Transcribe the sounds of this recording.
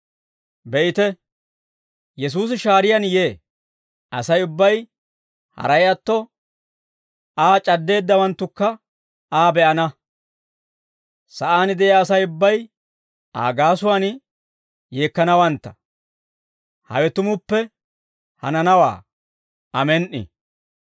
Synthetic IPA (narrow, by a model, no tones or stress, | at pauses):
bɛʔɪt̪ɛ | jɛs̬uːsɪʃaːɾɪjɐnje̞ː | ɐsɐjʊbːɐj | hɐ̰ɾɐjɐt̪ːɔ | aːt͡ʃʼɐd̪ːe̞ːd̪ːɐwɐnt̪ːʊkːɐ | aːbɛʔɐnɐ | sɐʔaːnɪd̪ɛjaːsɐjʊbːɐj | ʔa̰ːɡaːsʊwaːn | je̞ːkːɐnɐwɐnt̪ːɐ̥ | hɐ̰wɛt̪ʊmʊpːɛ | hɐ̰nɐnɐwa̰ː | ɐmɛnʔɪ̰